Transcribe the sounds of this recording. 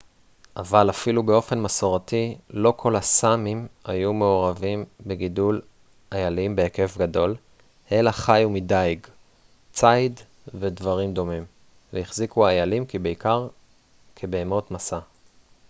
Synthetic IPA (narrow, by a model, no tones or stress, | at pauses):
ʔavalafilubeo̞fe̞nmaso̞ʁatilo̞kʰo̞lasamimajume̞o̞ʁavimbeɡidul | ajalimbeeke̞fɡado̞l | ʔe̞laχajumidajɡ | t͡sajd | vedvaʁimdo̞mim | vejiχzikuaːjalimkibeikaʁ | kʰebeːmo̞tmasa